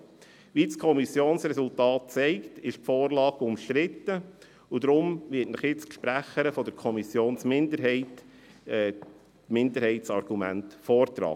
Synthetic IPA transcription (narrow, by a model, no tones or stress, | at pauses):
ʋiskʰɔmisjoːnsɾɛsʊlt̪ɑːt̚t͡sɛɪktɪʃpfɔːɾlɑːɡʊmʃt̪ɾɪt̪ːə | ud̥̪ɾʊmʋɪːtnəχjɪt͡skʃpɾæχəɾəfɔd̥əɾkʰɔmisjoːnsmɪnd̪əɾɦɛɪt | mɪndəɾhɛɪtsɑɾɡ̥umæ̰ntfɔːɾt̪ɾɑ̰ː